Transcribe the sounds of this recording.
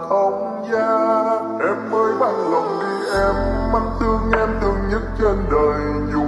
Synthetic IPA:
ə˧wŋ͡m | zaː˧ | ʔɛ˧mməː˧jɓa˧˩ŋlə˨˩wŋ͡mvi˧ʔɛ˧mːa˧˩ŋt̪ɨ˧əŋɲɛ˧mt̪ʰɨ˧əŋɲə˦˥t̚t͡ɕe˧nɗəː˨˩j | zʊ˧˩

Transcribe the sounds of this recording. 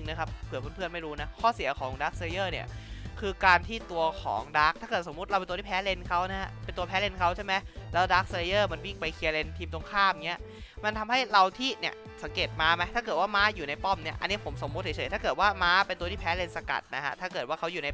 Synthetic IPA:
ɯ˧ŋna˦˥kʰa˦˥p̚pʰɯː˨˩˦pʰu˧˥˩npʰɯ˥˩ənma˥˩jɾuː˦˥na˦˥kʰɔː˥˩si˨˩˦ɐ˦kʰɔː˩˦ŋdaː˦˥k̚se˧i˧jɤː˥˩ni˥˩ɐkʰɯː˧kaː˧nt̪ʰiː˥˩t̪u˧ɐkʰɔ̰ː˩˦ŋdaː˦˥k̚t̪ʰaː˥˩kɤː˨˩t̪̚so˩˦m˦t̪̚ɾa˧wpe˧nt̪ːt̪iː˥pʰɛː˦˥le˧nkʰa˦˥wna˦˥hʰa˦˥pe˧nt̪u˧ɐpʰɛː˦˥le˧nkʰa˦˥wt͡ɕʰa˥˩ma˦˥jlɛː˦˥wdaː˦˥k̚se˧ɾi˧jɤː˥˩ma˧˥nwi˥˩ŋpa˧jkʰi˧le˧nt̪ʰiː˧mt̪o˧ŋkʰaː˥˩mŋi˦˥ɐ | ma˧nt̪ʰa˧mha˥˩jɾa˧wt̪ʰiː˥˩ni˥˩ə | sa˨˩˦ŋkeː˨˩t̪̚maː˦˥ma˦˥jt̪ʰaː˥˩kɤː˨˩t̪̚waː˥˩maː˦˥juː˨˩na˧jpɔ˥˩mni˥˩ɐʔa̰˧nːi˦˥˩pʰo˩˦mso˨˩˦mu˦˥t̪̚ht͡ɕʰɤː˨˩˦t̪ʰaː˥˩kɤː˨˩t̪̚waː˥˩maː˦˥pe˧nt̪u˧i˥˩ɛː˦˥le˧nsa˧ka̰˨˩t̪̚na˦˥kʰa̰˦˥t̪ʰaː˥˩kɤː˨˩t̪waː˥˩kʰa˦˥wjuː˨˩na˧j

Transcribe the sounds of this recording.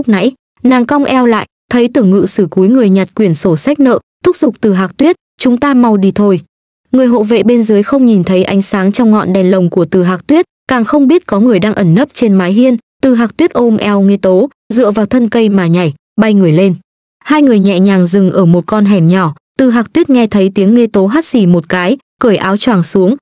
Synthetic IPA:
k͡p̚na̰˧˥j | naː˨˩ŋkɔ˧wŋ͡mʔɛ˧wla̰ː˧˨jt̪ʰə˨˦jt̪ɨ˧˩əŋːɨ̰˧˨sɨ˧˩ku˨˦jŋɨ˨˩əjɲa˨˩t̚kwi˧˩ənso˧˩sa˦˥k̟̚nə̰ː˧˨t̪ʰʊ˦˥k͡p̚zʊ˨˩k͡p̚t̪ɨ˨˩ɦaː˨˩k̚t̪wi˦˥ət̚ | t͡ɕʊ˨˦ŋ͡mt̪aː˧ma˧wɗi˧t̪ʰo˧j | ŋɨ˨˩əjɦo̰˧˨vḛ˧˨ɓe˧nzəː˨˦jxə˧wŋ͡mɲi˨˩nt̪ʰə˨˦jʔa˨˦jŋ̟saː˨˦ŋt͡ɕɔ˧wŋ͡mŋɔ̰˧˨nɗɛ˨˩nlə˨˩wŋ͡mku˧˩ət̪ɨ˨˩ɦaː˨˩k̚t̪wi˦˥ət̚kaː˨˩ŋxə˧wŋ͡mɓi˦˥t̚kɔ˨˦ŋɨ˨˩əjɗaː˧ŋʔə˧˩nːə˦˥p̚t͡ɕe˧nmaː˨˦jɦi˧ənt̪ɨ˨˩ɦaː˨˩k̚t̪wi˦˥t̚ʔo˧mʔɛ˧wŋe˧t̪o˨˦ | zɨ̰˧˨əvaː˨˩wt̪ʰə˧nkə˧jmaː˨˩ɲa˨˩j | ɓa˧jŋɨ˨˩əjle˧n | haː˧jŋɨ˨˩əjɲɛ̰˧˨ɲaː˨˩ŋzɨ˨˩ŋʔəː˧˩mo˨˩t̚kɔ˧nɦɛ˨˩mɲɔ˧˩t̪ɨ˨˩ɦaː˨˩k̚t̪wi˦˥ət̚ŋɛ˧t̪ʰə˨˦jt̪i˨˦əŋːe˧t̪o˨˦ɦaː˦˥t̚si˧˩mo˨˩t̚kaː˨˦jkəː˧˩jʔaː˨˦wt͡ɕwaː˧˩ŋsu˨˦əŋ

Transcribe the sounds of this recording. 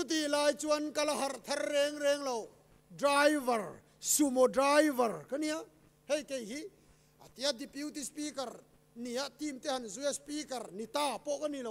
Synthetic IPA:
t͡su˦t̪̬i˨laː˧jt͡suɐnkɐ˧laɦɐ˨rt̪ʰɐ˦rːɛ˧ŋɾɛ˧ŋlo˨w | dɾajvɐ˨r | su˧mo˨dɾajvɐ˨rkani˨aʔ | he˧jke˨jɦi˦ | a̰˨t̪i˦a˦d̪i˨pji˦wt̪i˦spi˦kɐ˨r | ni˨˩a˦ʔt̪i˧˨mt̪e˦hɐ˨nzu˦jaspi˦kɐ˨rni˨t̪aː˧pɔ˦ʔkani˨lo˨w

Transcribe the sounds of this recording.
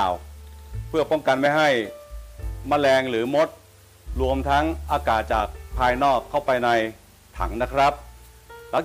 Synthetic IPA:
wpʰɯ˥˩ɐpɔ˥˩ŋka˧nma˥˩jɦa˥˩j | ma˥˩lɛː˧ŋɾɯː˩˦mo˦˥t̪̚ | ɾu˧əmt̪ʰa˦˥ŋʔaː˧kaː˨˩t̪̚t͡ɕaː˨˩k̚pʰːaː˧jnɔː˥˩kʰːa˥˩wpa˧jna˧j | t̪ʰa̰˩˦ŋna˦˥kʰɾa˦˥p̚ | la˨˦˥

